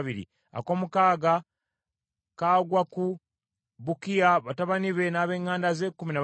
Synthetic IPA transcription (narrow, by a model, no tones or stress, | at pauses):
βiɾḭ | a̰ko̞ːmukaːɡa | kaːɡwaku | βukijaβataβaniβe̞naːβe̞ːŋaːndazeːkuminaβ